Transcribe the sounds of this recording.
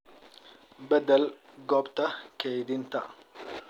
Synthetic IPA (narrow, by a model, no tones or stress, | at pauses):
bɐd̪ɐl | ɡɔbt̪ɐkejd̪ɪnt̪ɐ